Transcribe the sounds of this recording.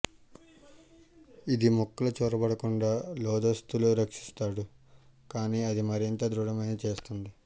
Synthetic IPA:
id̪imɔkːɐlɐt͡ʃoːɾɐbɐɽɐkuɳɖaːlɔːd̪ɐst̪uluːɾɐkʂi̥st̪aːɽukaːniːɐd̪imɐɾint̪ɐd̪ɾuɽɐmɐjnɐt͡ʃe̞ːst̪und̪i

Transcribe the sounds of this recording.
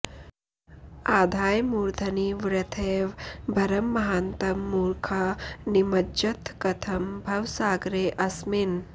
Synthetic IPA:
aːd̪ʱaːjmuːɾd̪ʱɐniʋɾɐt̪ʰeːʋbʱɐɾɐmːɐɦaːnt̪ɐmːuːɾkʰɐnimɐd͡ʒɐt̪kɐt̪ʰɐmbʱɐʋsaːɡɾeːʔɐsmin

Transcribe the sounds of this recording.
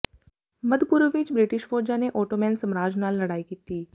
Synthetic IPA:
mɐd̪pʊɾʋɪt͡ʃbɾɪʈɪʃfoːɾd͡ʒaneʔoːʈomɛ̃ːnsɐmɾaːd͡ʒnaːlːɐɽaːikiːt̪iː

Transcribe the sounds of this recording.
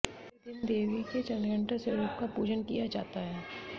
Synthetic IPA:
kɪnd̪eːʋiket͡ʃɐ̃nɡə̃ɳʈaseɾoːp̚kapuːd͡ʒənkijad͡ʒa̰ːt̪aɦɛː

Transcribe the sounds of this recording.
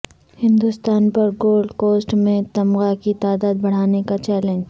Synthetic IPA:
hɪ̃nd̪ʊst̪aːnpɐɾɡoːlɖkoːsʈmẽt̪ɐmɣakit̪aːd̪aːd̪̚bɐɽ̤aːnekat͡ʃɛːlẽɲd͡ʒ

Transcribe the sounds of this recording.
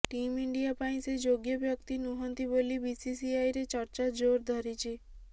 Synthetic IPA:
ʈimiɳɖijapaĩsed͡ʒoɡjəbjɔkt̪inuɦɔnt̪ibolibisisiajɾet͡ʃɔɾt͡ʃad͡ʒoɾd̪ʱɔɾit͡ʃʰi

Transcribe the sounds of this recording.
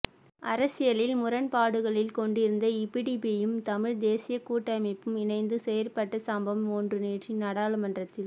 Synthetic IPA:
ʔɐɾɐsɪjɐlɪlmʊɾɐnpaːɽɯɣɐɭɪlkɔɳɖɪɾɯnd̪ɐɪpːiɽipijɯmt̪ɐmɪɻd̪eːsɪjɐkuːʈːɐmɐɪpːɯmɪnɐɪnd̪ɯsɛjɐɾpɐʈːɐsambɐmoːndrɯneːʈrinɐɽaːlɐmɐndrɐt̪ːɪl

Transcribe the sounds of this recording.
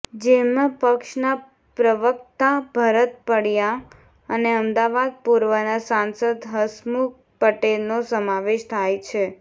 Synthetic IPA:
d͡ʒemãpəkʃna | pɾəʋəkt̪abʱəɾət̪̚pəɽja | əneəmd̪aʋad̪̚puɾʋənasansəd̪ɦəsmu | pəʈelnosəmaʋeʃt̪ʰajt͡ʃʰe

